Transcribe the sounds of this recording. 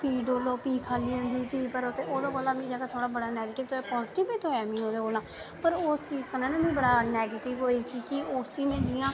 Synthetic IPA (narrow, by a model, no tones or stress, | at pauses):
piːɖoːloːpiːkʰaːliːə̃nd̪iːpiːpəɾot̪eːʔoːd̪aːkoːlãːbĩːd͡ʒəːɡaːt̪ʰoːɽaːbəɽaːnɛːɡeːʈɪʋt̪oɛːpɔːzɪʈɪbeːt̪oːɛːmĩːɦoːd̪eːkoːlãː | pəɾʊst͡ʃiːzkənãːneːbĩːbəɽaːnɛːɡeːʈɪʋɦoːiːkikɪʊsiːmẽːd͡ʒɪjãː